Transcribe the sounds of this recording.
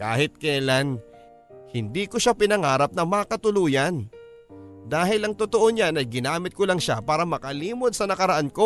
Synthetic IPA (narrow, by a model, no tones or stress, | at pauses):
ka̰ːhɪt̪̚kɛlan | hɪnd̪iːkoʃapɪnɐŋaːɾɐp̚nɐmɐkɐt̪ʊluːjɐn | d̪aːɦɪlɐŋt̪ot̪oʔoɲanɐjɡɪnaːmɪt̪̚kolaŋʃapaːɾɐmɐkɐliːmo̞d̪̚sɐnɐkɐɾɐʔanko̞